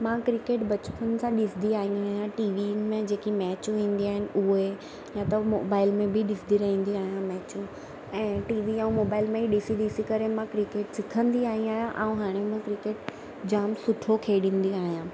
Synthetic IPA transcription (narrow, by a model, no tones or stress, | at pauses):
mãkɾɪkeːʈbɐt͡ɕpʊnɪ̆sãɗɪsɪd̪iaːɦijũaːɦijãʈiːʋinmẽd͡ʑeːkimɛːt͡ɕuɦĩːn̆d̪iaːɦɪnɪ̆ʊɦe | jãt̪ɐmo̰ːbaːɪlmẽbʱɪɗɪsɪd̪iɾɐɦĩːn̆d̪iaːɦijãmɛːt͡ɕũ | ɛ̃ːʈiːʋiãũmoːbaːɪlmẽiɗisiɗisikɐɾemãkɾɪkeːʈsɪkʰə̃nd̪iaːɦjũaːɦijãʔaːũɦaːɽ̃emẽkɾɪkeːʈ | d͡ʑaːmsʊʈʰokʰeɗĩːn̆d̪iaːɦijãː